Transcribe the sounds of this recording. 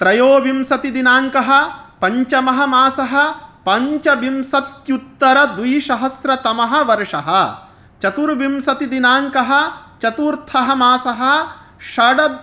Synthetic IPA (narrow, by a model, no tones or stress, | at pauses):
t̪ɾɐjoːʋimsɐt̪id̪inaːŋkɐɦɐ̆pɐɲt͡ʃɐmɐɦɐmaːsɐɦɐ̆pɐɲt͡ʃɐʋimsɐt̪jut̪ːɐɾɐd̪ʋujʃɐɦɐsɾɐt̪ɐmɐɦɐ̆ʋɐɾʂɐɦɐ | t͡ʃɐt̪uɾʋimsɐt̪id̪inaːŋkɐɦɐt͡ʃɐt̪uːɾt̪ʰɐɦɐmaːsɐɦɐ | ʃɐɖɐ